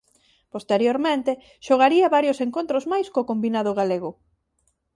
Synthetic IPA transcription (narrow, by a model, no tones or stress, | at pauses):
post̪eɾjoɾmẽnt̪e | ʃoɣaɾiɐβaɾjoseŋkont̪ɾozmajskokombinaðʊɣ̞aleɣ̞ʊ